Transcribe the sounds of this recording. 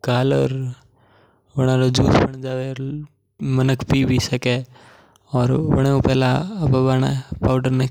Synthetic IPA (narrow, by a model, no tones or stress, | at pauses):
ɡaːlɔːɾ | ʋɐɽ̃ãɾod͡ʒuːsbəɳ̃d͡ʒaːʋe | mənəkʰpiːbʱisɐke | ɔːɾʋə̰ɽ̃eũpɛːlaɐbabaːnapaːʊɖəɾne